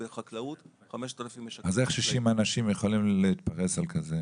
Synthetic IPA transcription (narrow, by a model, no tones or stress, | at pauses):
beχaklaut̪ | χameʃt̪alafimazeχʃiʃimanaʃimjeχolimleit̪paʁesalkʰaze